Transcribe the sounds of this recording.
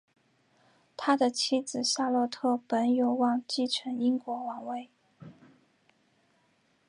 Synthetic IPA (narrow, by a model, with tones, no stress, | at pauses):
t̪ʰa˥d̪ə˨t͡ɕʰi˥d͡zɹ̩˨˩ɕa˥˧lwɔ˥˧t̪ʰɤ˥˩pə˧˥njo˧˥ʊwɑ˥˩ŋt͡ɕi˥˩ʈ͡ʂʰə˧˥ni˥ŋkwɔ˧˥wɑ˨˩ŋwe˥˩ɪ